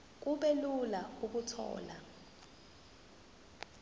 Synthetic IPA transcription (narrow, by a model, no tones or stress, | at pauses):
k̬uɓɛlulauk̬utʰɔ̰ːla̰